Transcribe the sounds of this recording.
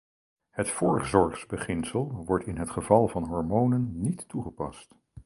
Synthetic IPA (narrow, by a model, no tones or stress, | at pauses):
hətfʊːɹχzɔɹχzbəχɪnsəlˠʋɔɹtɪnɦətχəvɑlˠvɑnɦɔɹmownənːitːuχəpɑ̰st